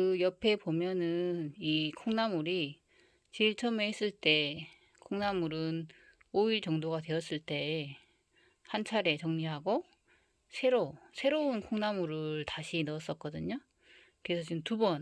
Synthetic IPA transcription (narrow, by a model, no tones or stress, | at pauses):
kɯjʌpʰe̞pomjʌnɯnikʰoŋnamuɾi | t͡ɕiɭt͡ɕʰʌmeɦes͈ɯɭt͈e̞ | kʰoŋnamuɾɯn | oiɭt͡ɕʌŋdoɡadwe̞ʌs͈ɯɭt͈e̞ | hant͡ɕʰaɾe̞t͡ɕʌŋɲiɦaɡo | sʰe̞ɾosʰe̞ɾounkʰoŋnamuɾɯɭtaɕʰinʌʌs͈ʌk͈ʌdɯɲo | kɯɾesʰʌt͡ɕiɯmtubʌn